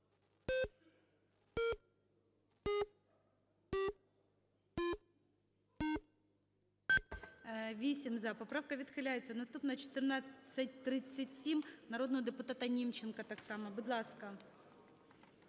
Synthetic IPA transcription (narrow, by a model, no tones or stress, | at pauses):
ʋʲisʲimzɐpɔpɾawkɐʋʲit̪xɪlʲajet͡sʲːɐnɐst̪upnɐt͡ʃɔ̥t̪ɪrnat͡sʲːɐt̚ʲt̪ɾɪt͡sʲsʲːɐtʲsʲimnɐɾod̪nɔɦɔd̪ɪpʊt̪at̪ɐnʲimt͡ɕːɪnkɐt̪ɑksɑmɐbʊd̪lˠɑskɐ